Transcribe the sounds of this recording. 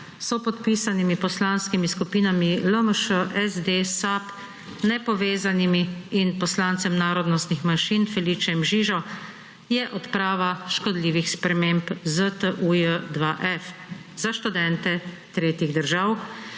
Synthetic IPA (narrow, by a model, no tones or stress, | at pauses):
sɔpɔt̪piːsanimipɔslaːnskimiskupiːnamiləməʃəʔɛzd̪esap | nɛpɔʋeːzanimiːnpɔslant̪sɛmnaːɾɔd̪nɔst̪nixmanʃinfɛliːt͡ʃɛmʒiːʒɔ | jɛʔɔt̪pɾaːʋaʃkɔd̪liːʋixspɾɛmempzət̪əʔujəd̪ʋaʔɛf | z̥aʃt̪ud̪ɛnt̪ɛ | t̪ɾeːt̪iɣd̪əɾʒaːw